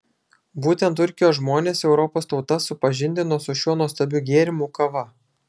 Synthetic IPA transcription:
buːt̪ʲɛnt̪̬ʊɾʲkʲɪjoːsʒmoːnʲeːsɛʊɾɔpoːst̪ɒʊt̪ɐsʊpɐʒʲɪnʲd̪ʲɪnoɔːsʊʃʲuɔnuɔst̪ɐbʲʊɡʲeːɾʲɪmuˑkɐʋɐ

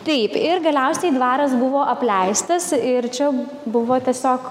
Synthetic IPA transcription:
t̪ɛɪpɪɾɡɐlʲɛʊsʲɛɪd̪ʋɑːɾɐs̬bʊʋoːʔɐpʲlʲɛɪst̪ɐsɪɾt͡ʃʲɛ | bʊʋoːt̪ʲiɛsʲoːk

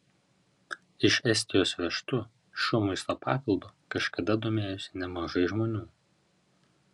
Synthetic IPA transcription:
ɪʃɛsʲt̪ʲɪjoːsʋʲɛʃt̪ʊ | ʃʲuːmɐɪst̪oːpɑ̰ːpʲɪlˠd̪uːkɐʃkɐd̪ɐd̪oːmʲeːjʊsʲɪnʲɛmɐʒɐɪʒmoːnʲuː

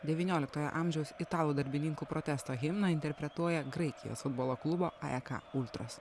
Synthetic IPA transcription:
d̪ʲɛʋʲinʲoːlʲɪkt̪oːjɛ̰ʔɑːmʲʒʲɛʊsɪt̪ɑːlˠuːd̪ɐɾʲbʲɪnʲɪŋkuːpɾɔt̪ʲɛst̪oːɣʲɪmnɐɪnʲt̪ʲɛɾʲpʲɾʲɛt̪uɔjɛɡɾɐɪkʲɪjo̰sfʊd̪boːlˠoːklˠʊboːɑ̰ɛkɐ̰ʊlʲt̪ɾoːs

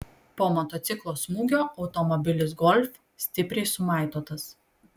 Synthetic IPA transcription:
poːmɔt̪ɔt̪sʲɪklˠoːsmuːɡʲoːɒʊt̪ɔmɔbʲɪlʲɪs̬ɡɔlʲfʲ | sʲt̪ʲɪpʲɾʲɛɪsʊmɑˑɪt̪oːt̪ɐs

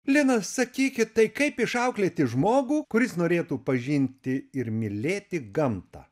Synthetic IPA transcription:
lʲɪnɐssɐkʲiːkʲɪtt̪ɐɪkɐɪpɪʃɐʊklʲeːt̪ʲɪʒmoːɡuːkʊɾʲɪsnoːɾʲeːt̪uːpɐʒʲɪnʲt̪ʲɪɪɾmʲɪlʲeːt̪ʲɪɡɐmt̪ɐ̰ː

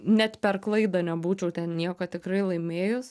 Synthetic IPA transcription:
nʲɛt̪pʲɛrklˠɐɪd̪ɐnʲɛbuːt͡ʃʲɛʊt̪ʲɛnnʲiɛkoːt̪ʲɪkɾɐɪlˠɐɪmʲeːjʊs

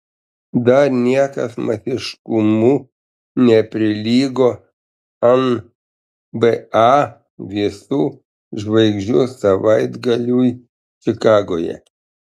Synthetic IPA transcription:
d̪ɐɾnʲiɛkɐsmɐsʲɪʃkʊmu | nʲɛpʲɾʲɪlʲiːɡoː | ɐn | bɛɑ | ʋʲɪsuː | ʒʋɐɪɡʒʲd͡ʒʲʊsɐʋɐɪd̪ɡɐlʲuːj | t͡ʃʲɪkɑːɡoːjɛ̰

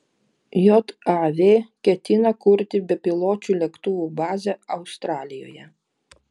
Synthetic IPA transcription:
jɔt̪ɑʋʲeːkʲɛt̪ʲɪnɐkʊɾʲt̪ʲɪbʲɛpʲɪlˠoːt͡ʃʲuːlʲɛkt̪ʊʋubɑːzʲɛɐʊst̪ɾɑːlʲɪjo̰ːjɛ

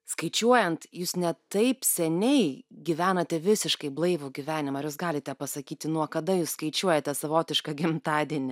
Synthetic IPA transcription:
skɐɪt͡ʃʲuɔjɛnt̪juːsnʲɛt̪ɐɪpsʲɛnʲɛɪɡʲiʋʲæːnɐt̪ʲɛʋʲɪsʲɪʃkɐɪblˠɐɪʋuːɡʲɪʋʲæːnʲɪmɐɐɾjuːs̬ɡɑːlʲɪt̪ʲɛpɐsɐkʲiːt̪ʲɪnuɔkɐd̪ɐjuːsskɐɪt͡ʃʲuɔjɛt̪ʲɛsɐʋoːt̪ʲɪʃkɐɡʲɪmt̪ɑːd̪ʲiɛnʲɪ

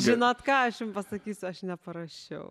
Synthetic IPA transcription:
ʒʲɪnoːt̪kɑːɐʃjʊmpɐsɐkʲiːsʲʊɐʃnʲɛpɐɾɐʃʲɛʊ

